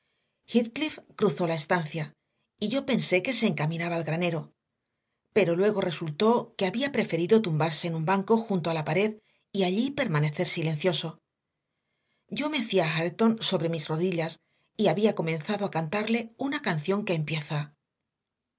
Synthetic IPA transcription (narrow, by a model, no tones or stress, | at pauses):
xit̪klifkɾuθo̞lae̞st̪anθja | iʝo̞pe̞nse̞ke̞se̞ːŋkamĩnaβaːlɣɾane̞ɾo̞ | pe̞ɾo̞lwe̞ɣ̞o̞re̞sult̪o̞ke̞aβiapɾe̞fe̞ɾiðo̞t̪umbaɾse̞ːnũmbaŋko̞xunt̪oalapaɾe̞ð | iaʎipe̞ɾmane̞θe̞ɾsile̞nθjo̞so̞ | ɟ͡ʝo̞me̞θiaxaɾt̪o̞nso̞βɾe̞mizro̞ðiʎas | iaβiako̞mẽ̞nθaðoakant̪aɾle̞unakanθjo̞ŋke̞ːmpje̞θa